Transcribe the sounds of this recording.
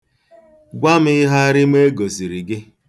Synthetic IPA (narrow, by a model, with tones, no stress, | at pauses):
ɡʷa˦m̩˦ɪ˦ɦa˦a˦ɾɪ˦me˦ɡo˨zi˨ɾi˨ɡɪ˦